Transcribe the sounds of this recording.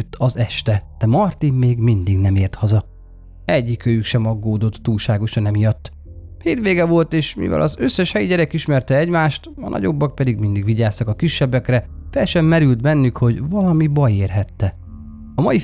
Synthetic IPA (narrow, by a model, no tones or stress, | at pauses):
t̪ːɒzɛʃt̪ɛt̪ɛmɒrt̪immeːɡmind̪iɡnɛmeːrt̪hɒzɒ | ɛɟːikøjykʃɛmɒɡːoːd̪o̞t̪ːuːlʃaːɡo̞ʃɒnɛmijɒt̪ː | heːt̪ʋeːɡɛvo̞lt̪eːʃmḭvɛ̰lɒ̰zøsːɛʃhɛjiɟɛɾɛkiʃmɛrt̪ɛɛɟmaːʃt̪ɒ̰nɒ̰ɟo̞bːɒk̚pɛd̪iɡmind̪iɡʋiɟaːst̪ɒkɒkiʃːɛbːɛkrɛfɛlʃɛmːɛɾylt̪bɛnːykho̞ɟvɒlɒmibɒjeːrɦɛt̪ːɛ | ɒmɒji